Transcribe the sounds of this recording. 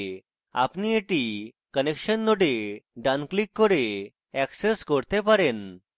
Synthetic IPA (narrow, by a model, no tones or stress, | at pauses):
a̰pnieʈi | kənekɕənːoɽeɖanklikːəɾe | ɛkseskəɾt̪epəɾen